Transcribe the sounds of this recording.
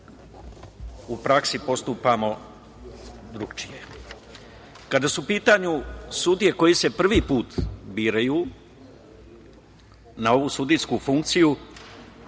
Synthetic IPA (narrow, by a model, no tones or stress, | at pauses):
upɾaksipo̞st̪upamo̞ | d̪ɾukt͡ʃije̞ | kad̪asupiːt̪aɲusud̪ije̞ko̞jise̞pr̩ʋipuːt̪biːɾajuː | nao̞ʋusud̪iskufuŋk̚t̪siju